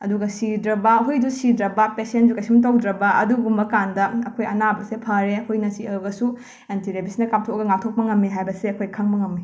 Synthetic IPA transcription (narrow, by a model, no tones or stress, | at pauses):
ɐ̰duɡɐsidɾɐbɐɦujdusidɾɐbɐpesendukɐsimt̬ɐwdɾɐbɐʔɐ̰duɡumbɐkandɐɐkʰojɐnabɐsepʰɐɾehujnɐsiɐɡɐsu | entʰiɾebisnɐkam̚tʰokɐɡɐŋak̚tʰok̚pɐŋɐmːiɦajbɐseɐkʰojkʰɐŋbɐŋɐmːi